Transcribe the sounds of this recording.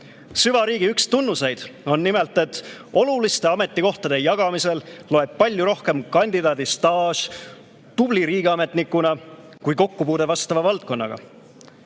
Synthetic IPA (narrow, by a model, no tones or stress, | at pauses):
syvɑɾiːɡ̥iykst̪unːuse̞jd̪̥o̞nːime̞lt̪ːˑe̞t̪ːo̞lulist̪e̞ɑme̞t̪ːˑiko̞ht̪ɑd̪̥e̞jɑɡ̥ɑmise̞llo̞eb̥̚pɑlʲjuɾo̞hke̞mkɑnʲd̪̥id̪ɑːd̪ist̪ɑːs | t̪ub̥liɾiːɡiɑme̞t̪nikːˑunɑ | kujko̞kːupuːd̪e̞vɑst̪ɑvɑvɑlt̪̚ko̞nːɑ̰ɡ̥ɑ̰